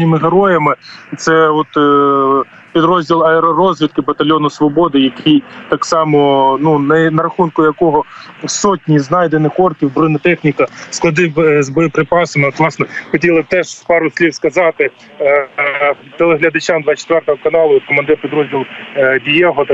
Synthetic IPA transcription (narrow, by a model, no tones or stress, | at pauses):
nʲɪmɪɦeɾɔjɐmɪt̪sɛɔt̪ | pʲid̪ɾɔzʲdʲilˠɐeɾɔɾɔzʲʋʲit̪kɪbɐt̪ɐlʲɔnɔsʋɔbɔd̪ɪjɐkijt̪ɑksɑmɔnunɐnɐɾɐxunkʊjɐkɔɦɔsɔtʲnʲiznɑjd̪enɪxɔrkʲiwbɾɪnɐt̪ɛxnʲikɐsklˠɐd̪ɪwzbɔjɔpɾɪpɑsɐmɪɔt̪ʋlˠɑsnɛxɔtʲilˠɪb̚t̪ɛʒspɑɾʊsʲlʲiwskɐzɑt̪ɪ | t̪elˠeɦlʲɐd̪ɐt͡ʃɑmd̪ʋɑt͡ʃe̥t̪ʋɛrt̪ɐɦɔkɐnɑlˠʊɔt̪̚kɔmɐnd̪ɛpʲid̪ɾɔzʲdʲilˠdʲijɛɦɔ